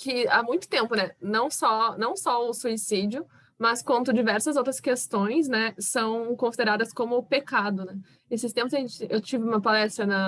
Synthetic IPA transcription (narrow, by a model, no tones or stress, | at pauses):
kɪa̰mũj̃t̪ʊ̥t̪ẽmpʊnɛnɐ̃w̃sɔnɐ̃w̃sɔʊsuisid͡ʒiʊ | mɐskwɐ̃nt̪ʊd͡ʒivɛɾsɐzowt̪ɾɐskest̪õj̃s̬nɛsɐ̃w̃kõsid̪eɾad̪ɐskõmʊpekad̪ʊnɛ | esɪst̪ẽmpʊszɐʒẽnt͡ʃɪewt͡ʃivɪũmɐpalɛst̪ɾɐnɐ